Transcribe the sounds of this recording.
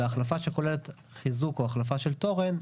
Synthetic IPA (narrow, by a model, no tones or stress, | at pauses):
aχlafaʃe̞ko̞lelet | χizukoaχlafaʃelto̞ʁen